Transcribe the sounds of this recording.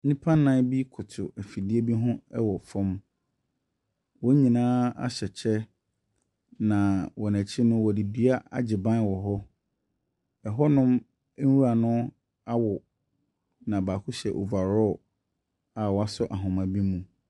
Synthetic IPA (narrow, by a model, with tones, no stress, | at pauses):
nĩ˦pʰã˦nã˦bi˦kʰʊ˨tʰʊ˨ɛ˨fi˨di˦e˦bi˦ɦʊ̃˦ɛ˦wɔ˨fɔ̃˦m | wɔ˦ɲĩ˨nãː˦a̰˦ɕɛ˨t͡ɕʰɛ˦ | nã˨wɔ˨næ̃˨t͡ɕʰɪ˦nʊ̃˦wɔ˨di˨dɥa˦a̰˦d͡ʑɪ˨bã˦wɔ˨ɦɔ˦ | ɛ˨ɦɔ˦nʊ̃˦m̩˦ | u˦a˨nʊ̃˦ | a˦wɔ˨ | nã˨baː˨kʰʊ˦ɕɛ˨ʔo̰˨va˨ɾɔ˦˨ | a˨wɔ˨a˦sʊ˦ʔa˨ɦʊ̃˨mã˨bi˦mũ˨